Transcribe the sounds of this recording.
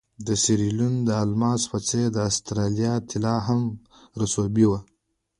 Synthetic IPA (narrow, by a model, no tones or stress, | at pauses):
d̪əsiɾilund̪əalmɑspat͡sed̪əast̪ɾɑlijɑt̪ʰɪlɑɦam | ɾasobiwa